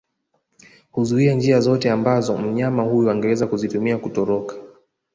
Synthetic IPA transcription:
huzuiand͡ʒiazɔtɛambazɔm̩ɲamahujuaŋɡɛwɛzakuzitumiakutɔɾɔkḁ

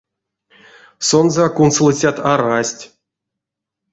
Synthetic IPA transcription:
sonzəkunslˠɨt͡sʲat̪aɾasʲtʲ

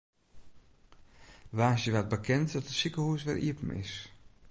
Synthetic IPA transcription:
ʋaːsjəʋat̚bəkʰɛntdɔtəsikəhuəsʋɛ̰lʔḭəpəm̩ɪ̰s

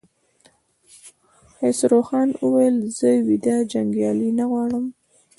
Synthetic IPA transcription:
hesɾoxɑnwəwajəlzəwid̪ad͡ʒaŋɡjɑlinaɣwɑɽəm

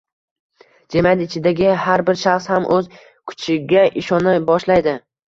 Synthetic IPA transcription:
d͡ʒemat̪ɪt͡ʃʰɪd̪aɡʲɪhaɾbɪɾʃaχshamʔɵz | kʰʊ̥t͡ʃʰɪɡʲaʔɪʃɒnabɒʃlajd̪ɪ

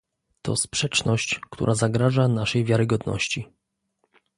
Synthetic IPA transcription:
t̪ɔ̰spʂɛt͡ʂnɔɕt͡ɕkt̪ṵɾʔazaɡɾaʐanaʂɛjvʲjaɾɘɡɔd̪nɔ̰ɕt͡ɕi

